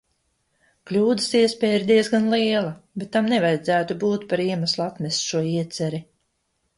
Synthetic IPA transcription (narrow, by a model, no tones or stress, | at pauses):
klʲuːd̪ə̥siɛspɛːjiɾd̪iɛzɡanliɛlˠabɛt̪ːamnɛvajd̪zæːt̪ubuːt̪paɾiɛmaslˠat̪mɛsʃuɔiɛt̪sɛɾi